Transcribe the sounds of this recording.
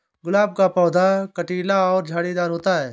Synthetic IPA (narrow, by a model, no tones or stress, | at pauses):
ɡʊlaːb̚kaːpɔːd̪aːkəʈiːlaːɔːɾd͡ʒʱaːɽiːd̪aːɾɦoːt̪aːɦɛː